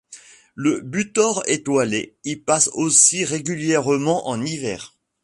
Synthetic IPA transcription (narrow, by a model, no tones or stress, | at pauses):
ləbyt̪ɔʁet̪walḛilpasosiʁeɡʲyljɛʁmɑ̃ʔɑ̃nivɛ̰ːʁ